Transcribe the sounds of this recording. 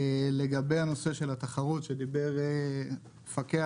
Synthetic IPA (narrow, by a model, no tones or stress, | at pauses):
le̞ɡabejano̞se̞ʃe̞lat̪aχaʁut̪ʃed̪ibe̞ʁe | fake